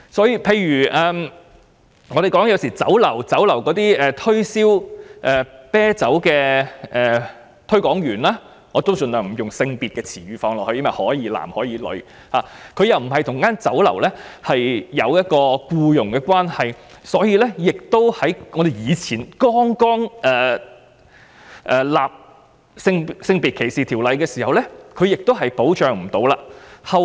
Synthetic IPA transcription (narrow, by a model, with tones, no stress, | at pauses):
sɔː˨˥jiː˧pʰe˧jɥyː˨˩ʔɛː˨m | ŋɔ˨˧d̪e˨˩jkɔː˨˥ŋjɐ˨˧wsiː˨˩t͡sɐ̰˨˥wlɐ˨˩wt͡sɐ˨˥wlɐ˨˩wkɔː˨˥t̪iː˥ɛː˨t̪ʰɵ˥ɥsiː˥wʔɛː˨˩pɛː˥t͡sɐ˨˥wkɛː˧ɛː˨ | t̪ʰɵ˥ɥkɔː˨˥ŋjyː˨˩nlaː˥ | ŋɔː˨˧t̪o˥wt͡ʃɵ˨˧nt̪œː˨ŋm̩˨˩jʊ˨˩ŋsɪ˧ŋpiː˨t̚kɛː˧t͡sʰiː˨˩ɥyː˨˧fɔː˧ŋlɔː˨khɵ˧jɐ˥mɐ˨˩hɔː˨˥jiː˨˧˥la̰ː˨˩mhɔː˨˥jiː˨˧lɵ̰˨˧ɥ | haː˨˩kʰɵ˨˧jɐ˨wm̩˨˩ɦɐ˨jt̪ʰʊ˨˩ŋkaː˥nt͡sɐ˨˥wlɐ˨˩wlɛː˥hɐ˨jːɐ˨˧wjɐ˥t̚kɔː˧kuː˧jʊ˨˩ŋkɛː˧kwaː˥nhɐ˨jsɔː˨˥jiː˨˧lɛː˥jɪ˨k̚t̪o˥whɐ˨˥jŋɔ˨˧d̪e˨jjiː˨˧t͡sʰiː˨˩nkɔː˥ŋkɔː˥ŋʔɛː˨˩ | ʔɛː˨laː˨p̚ | sɪ˧ŋsɪ˧ŋpiː˨t̚kʰe˨˩jsiː˨t̪ʰiː˨˩wlɐ˨˧jkɛː˧siː˨˩hɐ˨wlɛː˥kʰɵ˨˧ɥjɪ˨k̚t̪o˥wɦɐ˨jpo˨˥wt͡ʃœː˨˧ŋm̩˨˩t̪o˨˧wla̰ː˧hɐ˨w